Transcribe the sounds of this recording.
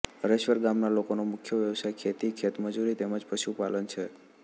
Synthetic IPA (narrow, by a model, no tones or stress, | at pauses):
əɾəʃʋəɾɡamnalokonomʊkʰjəʋjəʋsajkʰet̪ikʰet̪məd͡ʒuɾit̪eməd͡ʒpəʃupalənt͡ʃʰe